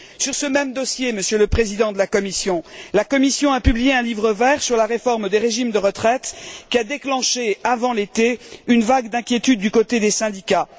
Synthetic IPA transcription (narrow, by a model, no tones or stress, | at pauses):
syʁsəmɛmd̪ɔsjeməsjələpχezid̪ɑ̃d̪əlakɔmisjɔ̃lakɔmisjɔ̃apyblijeɛ̃livʁəvɛʁsyʁlaʁefɔʁmd̪eʁeʒimd̪əʁət̪χɛt̪kʲiad̪eklɑ̃ʃeavɑ̃let̪eynvaɡd̪ɛ̃kʲjet̪yd̪ːykot̪ed̪esɛ̃d̪ika